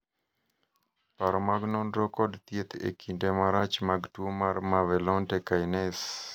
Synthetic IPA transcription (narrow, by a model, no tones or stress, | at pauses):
paɾɔmaɡnɔnɾɔkɔdt̪jet̪ḛkʰindemaɾat͡ʃmaɡtwomarmavɛlɔntekanɛs